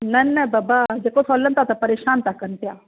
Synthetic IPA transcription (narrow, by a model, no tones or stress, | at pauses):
nɐnɐbaːbad͡ʒeːkosʰoːlənt̪aːt̪ɐpəɾeːʃaːnt̪akːənt̪ejaː